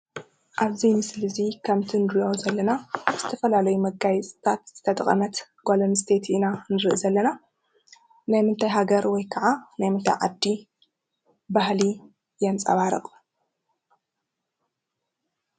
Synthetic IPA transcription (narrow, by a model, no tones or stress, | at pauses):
ʔaβzijmɨslɨzikʰɐmt̪ʰinɾijozɐlːɐnaz̥ɨt̪ʰɐfɐlalɐjumɐɡajt͡sʼt̪ʰat̪z̥ɨt̪ʰɐt̪ʼɐχʼɐ̰mɐt̪ɡ̥olɐnst̪ʰe̞t̪inanɨɾɨʔɨzɐlːɐna | najmɨnt̪ʰajɦaɡɐɾwɔjkʰɐʕanajmɨnt̪ʰa̰jʕad̪ːi | bahli | jɛnt͡sʼɐ̰βaɾɨ̰χʼ